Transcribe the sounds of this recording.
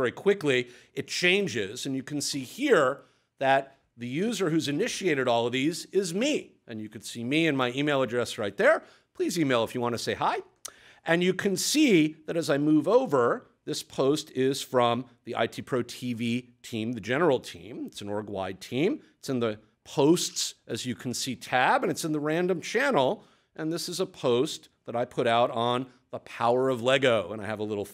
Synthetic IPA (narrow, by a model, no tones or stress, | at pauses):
ɛɹikʰw̥ɪkli | ɨt̚t͡ʃʰẽɪ̃nd͡ʒɪzɨ̃njɨkʰn̩sihiɹ | ðɨt̪̚ | ðɨjʉzə˞hʉzɨnɪʃieɪɾɨɾɔlˠʌvðizɪzmiʔɨ̃njɨkɨ̃nsimiɨ̃nmaɪimeɪlˠədɹɛsɹaɪt̪̚ðə˞ | pʰl̥izimeɪlˠəfjɨwɑ̃ntʰɨseɪhaɪ | ʔɨ̃njɨkʰɨ̃nsiðɨɾɨzaɪmuvoʊvə˞ | ðɪspʰoʊstɪz̥fɹʌ̃mðiʔa̰ɪtʰipʰɹ̥oʊtʰivitʰĩmðɨd͡ʒɛnə˞l̩ˠtʰḭ̃mɨtsn̩ɔɹɡwa̰ɪd̚tʰĩmɨtsɨ̃nðɨ | pʰoʊstsʔɨzjɨkʰn̩sitʰæbɨ̃nɨtsɨ̃nðəɹæ̃ndɨ̃mt͡ʃʰænl̩ˠ | ʔɨ̃nðɪsɨzəpʰoʊst̪ | ðəɾaɪpʰʊɾaʊɾn̩ | ðəpʰaʊə˞ʌvlɛɡoʊə̰̃ñaɪɨvəlɪɾl̩ˠ